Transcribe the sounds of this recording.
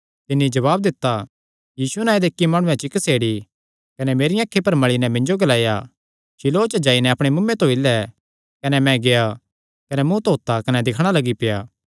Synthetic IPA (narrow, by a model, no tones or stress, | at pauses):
t̪ɪnːid͡ʒɐβaːb̚d̪ɪt̪ːa | jiːsuɛnaːed̪eːkːimaːɽ̃ʊ̃ɛ̃t͡ʃɪkəseːɽi | kɐnɛmeːɾijãːkʰːepɐɾmɐɭinɛmɪ̃ɲd͡ʒoɡɐlaːja | t͡ʃɪloːt͡ʃəd͡ʒaːinɛɐpɽ̃emʊmːẽt̪õilɛ | kɐnɛmɛ̃ɡeja | kɐnɛmũt̪oːt̪akɐnɛd̪ɪkʰɽ̃alɐɡipɪjaː